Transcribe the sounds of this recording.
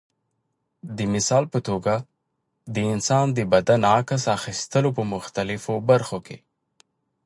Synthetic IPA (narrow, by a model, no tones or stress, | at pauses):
d̪əmɪsɑlpət̪oɡa | d̪əɪnsɑnd̪əbad̪anɑkasaxist̪əlopəmʊxt̪alɪfobaɾxokʰḛ